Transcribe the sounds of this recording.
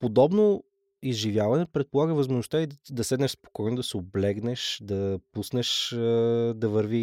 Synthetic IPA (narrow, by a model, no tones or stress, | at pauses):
pod̪ɔbno | izʒivjavɐnɛpɾɛt̪̚polˠaɡəvɐzmoʒnost̪aid̪ɐsɛd̪nɛʃspo̥kɔjnʊd̪ɐsɛoblɛɡnɛʃd̪ɐpusnɛʃ | d̪ɐvəɾvi